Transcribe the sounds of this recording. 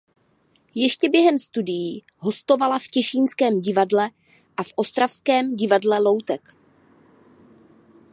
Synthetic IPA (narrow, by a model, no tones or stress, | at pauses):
jɛʃcɛbjɛɦɛmst̪udɪji | ɦo̞st̪o̞valafcɛʃiːnskɛːmɟɪvadlɛ | ʔafʔo̞st̪ɾafskɛːmɟɪvadlɛlo̞wt̪ɛk